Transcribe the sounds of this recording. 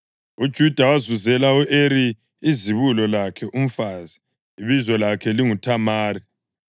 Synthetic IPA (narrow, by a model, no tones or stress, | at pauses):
ud̥ʒ̥ʱud̥ʱawazuzɛlauʔeɾi | iziβulɔlakʰɛʔum̩faːzi | iβizɔlakʰɛliŋutʰamaːri